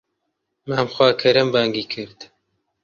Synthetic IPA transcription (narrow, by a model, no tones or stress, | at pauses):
maːmxʷwaːkʰɐɾɐmbaːŋɡiːkʰɨɾd̪